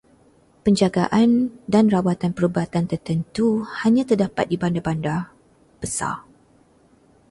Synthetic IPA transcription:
pəɲd͡ʒaɡaʔandanrawat̪anpəɾubat̪ant̪ərt̪ənt̪uhaɲãt̪ərdapa̰t̪̚dibandabanda | b̥əsa̰

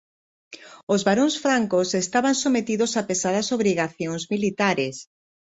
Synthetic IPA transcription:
ozβaɾõŋsfɾaŋkosest̪aβansomet̪iðosapesað̞ɐsoβɾiɣaθjoŋzmilit̪aɾeɪs

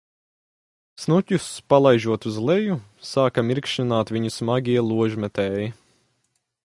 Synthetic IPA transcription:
snutʲuspalˠajʒuɔt̪uzlˠɛjusaːkamiɾkʃinaːt̪vʲiɲusmaɡʲiɛlˠuɔʒmɛt̪ɛːji

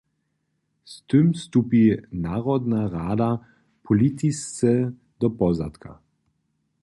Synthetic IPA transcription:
st̪ɨmst̪upinaːʁɔd̪naʁaːd̪a | pʰɔlit̪ist͡sɛ | d̪ɔpɔzat̪kʰa̰

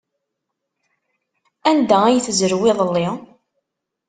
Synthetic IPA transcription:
ænd̪ææjθzəɾwɪðˤəlːi

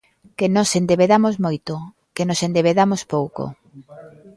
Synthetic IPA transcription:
kenosend̪eβeðamozmojt̪o | kenosend̪eβeðamospowko̰

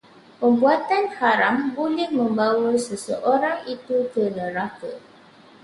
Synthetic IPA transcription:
pəmbuat̪anhaɾambolɛhmə̃mbawəsəsəʔoɾaŋit̪ut̪ərnəɾakə

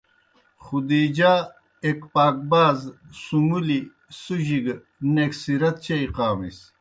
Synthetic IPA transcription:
χud̪iːd͡ʑaː | ekpaːk̚baːzsumuli | suʑiɡ | neksiɾɐt̪̚t͡ɕɐiqaːmḭs

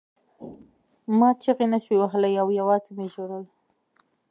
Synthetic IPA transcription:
mɑt͡ʃaɣenaʃwewaɦəlajawjawɑzemeʒoɽəl

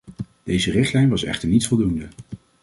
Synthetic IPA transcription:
d̥ejzərɪχtlɛjnʋɑsɛ̰χtəɹnitsfɔlˠdundə

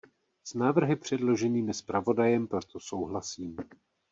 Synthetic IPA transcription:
snaːvr̩ɦɪpr̝̥ɛdlo̞ʒɛniːmɪspɾavo̞dajɛmpɾo̞t̪oso̞wɦlasiːm

